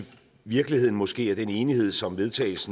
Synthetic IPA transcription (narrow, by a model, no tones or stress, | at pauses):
ʋiɐɡ̥liheð̰ˠn̩mɒ̽sɡ̥e̝̰ːæɐd̥ene̝ːnihe̝ð̞̰ˠsɒ̽mʋe̝ð̞ˠt͡sʰɛ̰ːl̩sn̩